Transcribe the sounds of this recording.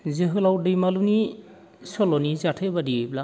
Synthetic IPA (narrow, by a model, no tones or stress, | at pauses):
zeɦɯlawdɯjmaluni | sɔlɔnizatʰajbadiebla